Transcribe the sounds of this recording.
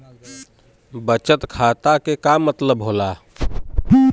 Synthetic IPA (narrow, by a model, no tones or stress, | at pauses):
bət͡ʃət̪kʰat̪akekamːət̪ləbɦola